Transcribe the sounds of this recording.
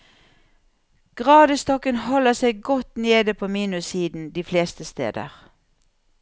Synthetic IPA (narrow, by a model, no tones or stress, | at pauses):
ɡ̥ʁɑːd̪əst̪ɔkənhɔləsɛɪɡɔt̪neːd̪əpʰoːmiːnʉsiːd̪n̩d̪iːfleːst̪əst̪ḛːd̪ə̰ʁ